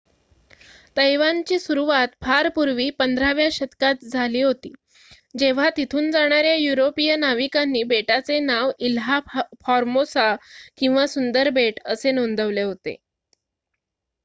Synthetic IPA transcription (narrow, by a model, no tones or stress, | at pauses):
t̪əjʋant͡ɕiːsuɾuʋat̪bʱaɾpuɾʋiːpənd̪ʱɾaʋjaɕət̪kat̪̚d͡zʱaliːɦot̪ḭː | d͡ʑeʋ̤at̪it̪ʰuːnd͡zaɽ̃aɾjajuɾopijənaʋikanːiːbeʈat͡senaʋilɦafɔɾmosakĩw̃ʋasund̪əɾbeʈəsenond̪əʋleɦot̪ḛ